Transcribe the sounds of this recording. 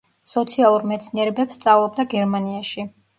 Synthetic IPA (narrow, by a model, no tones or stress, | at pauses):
sɔt̪sʰialˠuɾmɛt̪sʰniɛɾɛbɛpsːt̪sʼavlˠɔb̚d̪aɡɛɾmaniaʃi